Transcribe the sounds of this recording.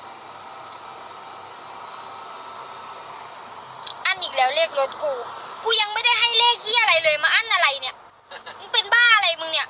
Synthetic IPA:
ʔa˧˥˨nʔiː˨˩k̚lɛː˨˦wleː˧˥˩k̚lo˧˦˥t̪̚kuː˧˩kuː˧˦ja˧˦ŋmaː˧˩˨da˥˩˨jɦa˥˩jleː˧˥˩k̚iː˧˥˨ʔa˧ɾa˨˩jlɤː˧˦jmaː˧ʔa˥˨nʔa˧ɾa˨˩jni˧˩ɐ˧˦ | pe˨nbaː˧˥˩ʔa˧la˨˧jmɯ˧ŋni˧˩ɐ

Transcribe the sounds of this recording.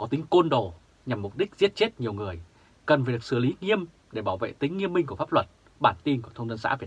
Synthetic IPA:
kɔ˨˦t̪ï˨˦ŋ̟ko˧nɗo˨˩ | ɲa˨˩mːʊ˨˩k͡p̚ɗi˦˥k̟̚zi˦˥ət̚t͡ɕe˦˥t̚ɲi˨˩əwŋɨ˨˩əj | kə˨˩nvə˩ksɨ˧˩li˨˦ŋi˧əm | ɗe˧˩ɓaː˧˩wvḛ˧˨t̪ï˨˦ŋ̟ːi˧əmːi˧ŋ̟ku˧˩əfa˦˥p̚lwə˨˩t̚ | ɓaː˧˩nt̪i˧nku˧˩ət̪ʰə˧wŋ͡mzə˧nsa̰ː˧˥vi˨˩ə

